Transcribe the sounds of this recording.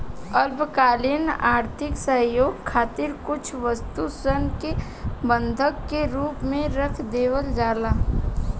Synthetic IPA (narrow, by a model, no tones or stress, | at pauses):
əlbkaːlɪnaːɾt̪ʰɪksəjoːɡkʰːaːt̪ɪɾkʊt͡ʃʰʋəst̪usənke | bə̃nd̪ʱəkːeɾuːpmẽɾəkʰd̪eːʋəld͡ʒaːlaː